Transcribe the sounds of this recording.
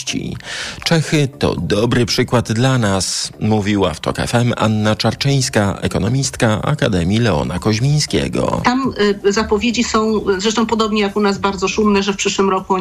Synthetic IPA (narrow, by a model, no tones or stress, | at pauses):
t͡ɕḭt͡ʂɛxɘt̪ɔ̰d̪ɔbɾɘpʂɘkwad̪d̪lanasmuvʲiwa̰ft̪ɔ̰kaɛ̰fɛma̰nːat͡ʂaɾt͡ʂɛj̃skaʔɛ̰kɔnɔmʲist̪kaa̰ka̰d̪ɛmʲilɛɔ̰nakɔʑmʲij̃skʲɛ̰ɡɔ̰t̪amzapɔvʲjed͡ʑisɔ̃w̃zɾɛʂt̪ɔ̃w̃pɔd̪ɔbɲɛjakunazbaɾd̪zɔʂumnɛʐɛfpʂɘʂwɘmɾɔku